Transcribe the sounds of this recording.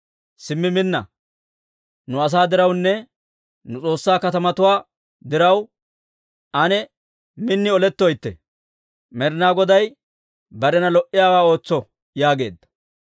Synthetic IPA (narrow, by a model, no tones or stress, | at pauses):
sɪmːɪmɪnːɐ̰ | nʊɐs̬aːd̪ɪɾɐwnːɛ | nʊt͡sʼo̞ːsːaːkɐt̪ɐmɐt̪ʊwaː | d̪ɪɾɐw | ʔɐnɛ | mɪnːɪɔlɛt̪ːɔjt̪ːɛ̰ | mɛɾnaːɡɔd̪ɐj | bɐɾɛnɐlɔʔɪjaːwaːo̞ːt͡sːɔ | jaːɡe̞̰ːd̪ːɐ̥